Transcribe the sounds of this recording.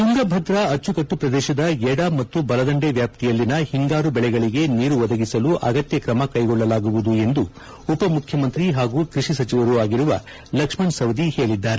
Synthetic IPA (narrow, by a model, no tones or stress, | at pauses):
t̪uŋɡɐbʱɐd̪ɾɐɐt͡ʃːukɐʈːupɾɐd̪ɛːʃɐd̪ɐɛɽɐmɐt̪ːubɐlɐd̪ɐɳɖeʋjaːp̚t̪ijɐlːinɐhiŋɡaːɾubɛɭɛɡɐɭiɡe̞niːɾuʋɐd̪ɐɡisɐluʔɐɡɐt̪jɐkɾɐmɐkɐjɡɔɭːɐlaːɡuʋud̪ue̞nd̪u | upɐmukʰjɐmɐnt̪ɾiɦaːɡuːkɾiʂisɐt͡ʃiʋɐɾuaːɡiɾuʋɐ | lɐkʂmɐɳsɐʋd̪ihe̞ːɭid̪ːaːɾe